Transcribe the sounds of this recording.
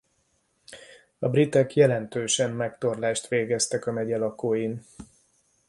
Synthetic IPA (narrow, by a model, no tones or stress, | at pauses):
ɒbrit̪ɛkjɛlɛnt̪øːʃɛnːɛkt̪o̞rlaːʃt̪ʋeːɡɛst̪ɛkɒnɛɟɛlɒkoːjin